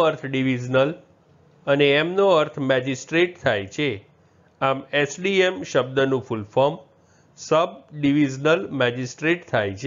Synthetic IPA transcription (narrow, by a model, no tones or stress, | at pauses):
əɾt̪ʰɖiʋid͡ʒnəl | əneːmnoəɾt̪ʰmɛd͡ʒisʈɾeʈ̚t̪ʰajt͡ʃʰe | amesɖiemʃəb̚d̪ənũfulfəm | səb̚ɖiʋid͡ʒnəlmɛd͡ʒisʈɾeʈt̪ʰajt͡ʃʰ